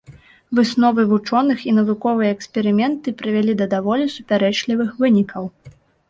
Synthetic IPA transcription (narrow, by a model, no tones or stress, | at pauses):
vɨsnɔvɨvut͡ʂɔnɨxinɐvukɔvɨjɐɛkspʲɛɾɨmʲɛnt̪ɨpɾɨvʲalʲid̪ɐd̪avɔlʲisupʲaɾɛt͡ʂlʲivɨxvɨnʲikʰɐw